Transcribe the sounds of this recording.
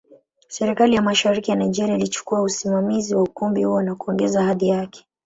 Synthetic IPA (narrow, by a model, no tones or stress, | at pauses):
sɛɾikalijamaʃaɾikijanaid͡ʒɛɾiailit͡ʃu̥kuausimamiziwaukumbihuɔnakuɔŋɡɛzahaðijakɛ̥